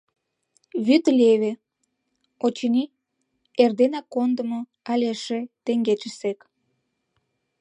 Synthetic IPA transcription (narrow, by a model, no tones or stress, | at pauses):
βyt̪lʲeβe | ot͡ɕənʲi | erd̪enɑkːond̪əmo | ɑlʲeʃet̪eŋɡet͡ʃəsek